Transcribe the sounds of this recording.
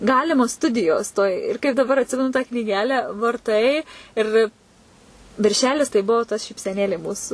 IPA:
ˈɡɑːlʲɪmoːs ˈstʊdʲɪjoːs toːj ɪr kɐɪp dɐˈbɐr ɐtʲˈsʲɪmʲɛnʊ tɑː knʲiːˈɡʲæːlʲæː ʋɐrˈtɐɪ ɪr ʋʲɪ ʋʲɪrʲˈʃʲæːlʲɪs tɐɪ ˈbʊʋoː tɐs ʃʲiːpʲsʲɛˈnʲeːlʲeː ˈmuːsʊ

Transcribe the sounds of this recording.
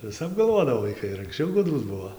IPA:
ʋʲɪˈsɐp ɡɐlˠˈʋoːdɐʋoː ʋɐɪˈkɐɪ ɪr ɐŋksʲˈt͡ʃʲɛʊ ˈɡʊdruːs ˈbuɔ

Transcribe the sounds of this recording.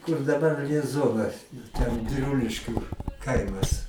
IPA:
kʊr dɐˈbɐr lʲiɛˈzoːnɐs ɪr tʲɛn bʲɪˈrʊlʲɪʃʲkʲuː ˈkɐɪmɐs

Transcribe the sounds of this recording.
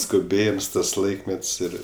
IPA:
skʊˈbʲeːjɪms tɐs ˈlˠɐɪkmʲɛtʲsʲ ˈɪr

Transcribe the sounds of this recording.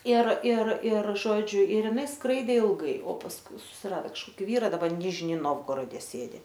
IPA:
ɪr ɪr ɪr ˈʒoːd͡ʒʲʊ ɪr ɪˈnɐɪ ˈskrɐɪdʲeː ɪlˠˈɡɐɪ oː pɐsˈkʊɪ sʊsʲɪˈrɑːdoː kɐʃˈkoːkʲɪ ˈʋʲiːrɐ dɐˈbɐ ˈnʲɪʒʲnʲɪ ˈnoːwɡoːroːdʲɛ ˈsʲeːdʲɪ

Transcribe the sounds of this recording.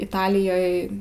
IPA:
ɪˈtɑːlʲɪjoːj

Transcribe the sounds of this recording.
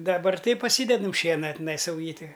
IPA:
dɐˈbɐr ˈtɐɪ pɐˈsʲiːdʲɛdɐm ˈʃʲiɛnɐ tʲɪˈnɐɪ sɐʊˈjiːtʲɪ

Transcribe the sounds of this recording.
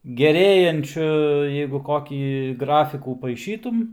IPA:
ɡʲɛˈrʲeːjɛnʲt͡ʃʲʊ jɛɪɡʊ ˈkoːkʲiː ˈɡrɑːfʲɪkuː pɐɪˈʃʲiːtʊm

